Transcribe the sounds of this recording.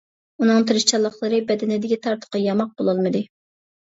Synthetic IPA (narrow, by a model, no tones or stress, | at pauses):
unɨŋt̪ʰɨɾɪʃt͡ʃʰɑlˠːɑχlˠəɾɨbɛd̪ɪnɪd̪ɪkʲit̪ʰɑɾt̪ʰə̥qɨjɑmɑq̚b̥olˠɑlˠmɨd̪ɨ